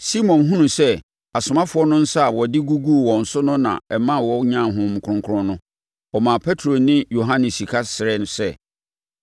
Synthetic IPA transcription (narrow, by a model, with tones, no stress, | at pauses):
si˦mɔ̃˨nɦũ˦nũ˨sɛ˦ | a˨sʊ˨mã˦fʊ˨˦ɔ˦nʊ̃˦n̩˦sa˦a˨wɔ˨dɪ˦ɡu˦ɡu˦˨wɔ̃˨n̩˨sʊ˦nʊ̃˦nã̰˨ɛ˨mã˦˨wɔ˦ɲã˦˨ɦʊ̃˦m̩˨kʰʊ̃˦ŋkʰʊ˦ʊ̃˦nʊ̃˦ | ɔ˨mã˨pʰɛ˦tʰɾo˨nɪ̃˦jo˨ɦã˦nɪ̃˨si˨kʰa˦sɪ˨ɾɛ˦n˨sɛ˦˨